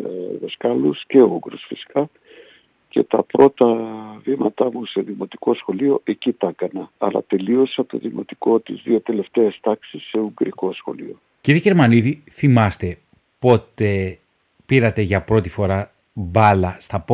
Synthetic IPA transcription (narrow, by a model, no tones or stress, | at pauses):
ðeskɐlusce̞ouɡɾosfisi̥kɐ | ce̞̰t̪ɐpɾo̞t̪ɐvimɐt̪ɐmuse̞ðimo̞t̪i̥ko̞sxo̞lio̞ʔe̞cit̪ɐkɐnɐɐlɐ̰t̪e̞lio̞sɐt̪o̞̰ðimo̞̰t̪i̥ko̞t̪izðio̞t̪e̞le̞ft̪e̞est̪ɐksisːe̞uŋɡɾiko̞sxo̞̰lḭo̞ | ciɾieʝe̞ɾmɐniði | θimɐst̪e̞ | po̞t̪e̞ | piɾɐt̪e̞ʝɐpɾo̞t̪ifo̞ɾɐ | bɐlɐst̪ɐp